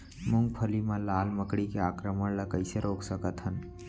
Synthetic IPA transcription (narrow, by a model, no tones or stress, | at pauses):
mʊ̃ŋɡ̚pʰəlimãlaːlməkɽikeaːkɾəməɽlɐkəɪseɾoːksəkət̪ɦən